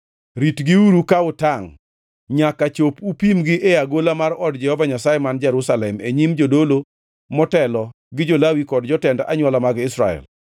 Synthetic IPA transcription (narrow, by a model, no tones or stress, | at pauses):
ɾitɡɪuɾukaʊtaŋ | ɲakat͡ʃopupimɡɪʔeaɡolamarɔdd͡ʒɛhɔvaɲasajɛmand͡ʒɛɾusalɛmeɲimd͡ʒodolo | mɔtɛlɔ | ɡɪd͡ʒolawikɔdd͡ʒɔtɛndʔaɲwalamaɡɪsɾa̰ɛ̰l